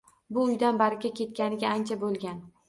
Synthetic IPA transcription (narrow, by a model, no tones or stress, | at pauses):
bʊʊjd̪anbaɾɪkʲakʲe̞t̪̚kʲanɪɡʲaant͡ʃʰabolˠɡʲan